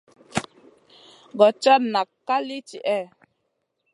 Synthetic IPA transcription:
ɡɔ˨t͡ʃɔ˦na˨kːa˦li˦t͡ʃi˨ʔɛ˦˨

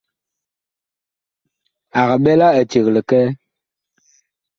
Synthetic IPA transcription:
a˨ɣa˨ɓɛ˦la˦ə˨t͡ʃe˨ɣlə˨kɛ˦

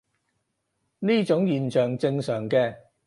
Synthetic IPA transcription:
niː˥t͡ʃʊ˨˥ŋjiː˨nt͡ʃœː˨ŋt͡sɪ˧ŋsœː˨˩ŋkɛː˧

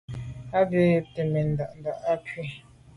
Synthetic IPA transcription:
a˦be˦˨te˨me˨n̩˨da˨ʔn̩˨da˨ʔa˦kɥe˦

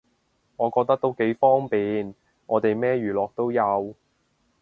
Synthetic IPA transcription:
ŋɔː˨˧kɔː˧k̚t̪ɐ˥k̚t̪o˥wke˨˥jfɔː˥ŋpiː˨n | ŋɔː˨˧t̪e˨jmɛː˥jɥyː˨˩lɔː˨k̚t̪o˥wjɐ˨˧w

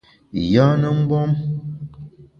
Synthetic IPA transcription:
ja˦nə˦m̩˦bɔ˦m

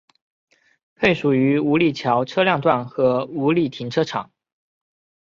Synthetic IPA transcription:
pʰe˥˩ɪʂu˨˩y˧˥u˧˥li˨˩t͡ɕʰjɑ˧˥ʊʈ͡ʂʰɤ˥ljɑ˥˧ŋt̪wa˥˩nxɤ˧˥u˧˥li˥˨˩t̪ʰi˧˥ŋʈ͡ʂʰɤ˥ʈ͡ʂʰɑ̰˨˩˦ŋ

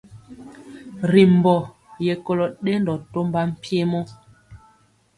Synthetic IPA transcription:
ɾi˨m˨bɔ˨ | je˨ko˦lɔ˨ɗe˦ndɔ˨to˦mba˦m̩˨pe˦mɔ˦

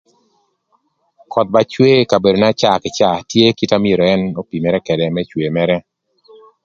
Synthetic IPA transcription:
kʰɔ˨t̪̚ba˨t͡ʃwe˦ka˨be˨do˨na˦t͡ʃa˨kɪ˨t͡ʃa˦˨tje˦ki˦ta˦mɪe˨ɾo˨ɛ˦no˦pi˨mɛ˦ɾɛ˦kɛ˨dɛ˨mɛ˦t͡ʃwe˨mɛ˦ɾɛ˦

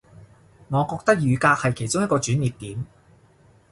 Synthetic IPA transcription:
ŋɔː˨˧kɔː˧k̚t̪ɐ˥k̚jyː˨˧kaː˧k̚hɐ˨jkʰe˨˩jt͡sʊ˥ŋjɐ˥kɔː˧t͡ʃyː˨˥nːiː˨p̚t̪iː˨˥m

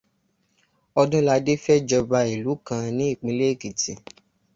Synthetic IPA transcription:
ɔ˧dũ˦la˧de˦fɛ˦d͡ʒɔ˧ba˧i˨lu˨˦kã˧nĩ˨˦i˦˨k͡pĩ˧˦le˦˨ki˨tĩ˨

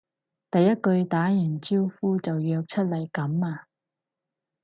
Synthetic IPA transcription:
t̪ɐ˨jːɐ˥t̚kɵ˧ɥt̪aː˨˥jɐ˨˩nt͡siː˥wfuː˥t͡sɐ˨wjœː˧k̚t͡ʃʰɵ˥t̚lɐ˨˩jkɐ˨˥maː˧

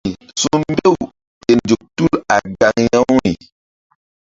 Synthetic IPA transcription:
su˦mbe˦w | te˨nd͡ʒu˨k̚tu˦la˨ɡa˨ŋjã˦wɾi˨

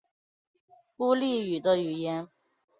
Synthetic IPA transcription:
ku˥˦li˥˩y˨˩d̪ə˦y˨˩jɛ˧˦n

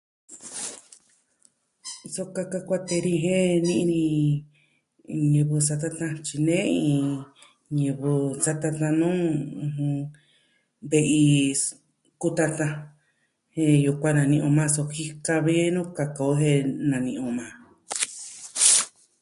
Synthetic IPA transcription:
so˧ka˧ka˧kʷa˦t̪e˧ɾĩ˧ɦẽ˦nĩ˧ʔnĩ˧ | ɲɨ̃˧βɨ˧sa˧t̪̬a˦˧t̪ã˧t͡ʃi˧nẽ˦ĩ˧˨ | ɲɨ̃˧βɨ˧sa˦t̪a˧t̪ã˧nũː˦˧ɦũ˧ | βe˧ʔi˧ | ku˦t̪a˧t̪ã˧ | hẽ˧ju˧kʷã˦nã˧nĩ˧ʔõ˧mã˦˧so˧ki˦ka˧βi˧˦nõ˦ka˧ka˧˨o˦ɦẽ˧nã˨nĩ˧ʔõ˧mã˨˧

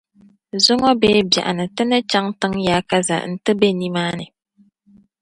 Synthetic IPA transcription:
zʊ˦ŋɔ˦beː˦ba̰˨ʔa˨nɨ˨tɨ˦nɨ˦t͡ʃa˦ŋtɨ˦ŋjaː˦ka˦za̰˨n̩˨tɨ˦be˦ni˦maː˦nɨ˨

